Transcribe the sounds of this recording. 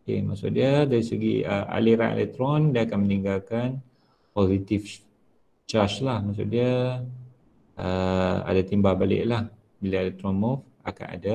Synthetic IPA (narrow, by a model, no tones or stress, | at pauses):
kḛmasʊ̰ʔdiədaɾisəɡḭə̰ʔa̰liɾa̰ʔḛlɛ̰k̚t̪ɾɔndaakanməniŋɡalkan | pozit̪if | t͡ʃat͡ʃlahmas̬ʊ̰ʔ̚diə | ʔəa̰dat̪imbahbalɪ̰ʔlah | bilaelɛk̚t̪ɾɔnmuf | aka̰na̰da